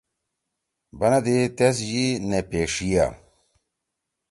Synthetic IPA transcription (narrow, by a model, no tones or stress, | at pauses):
bɐnɐd̪et̪es̬jinepeːʂija̰